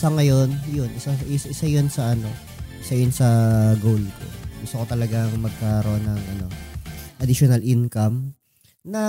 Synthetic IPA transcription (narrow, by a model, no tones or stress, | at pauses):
sɐŋɐjo̞njʊnʔɪsaʔɪsʔɪsajonsɐʔɐno̞ | ʔɪsajʊnsɐɡowlko̰ɡʊst̪okot̪ɐlɐɡaŋmɐɡ̚kɐɾoʔonːɐŋʔɐno̞ʔɐd̪ɪʃonɐlʔɪnkɐm | nɐ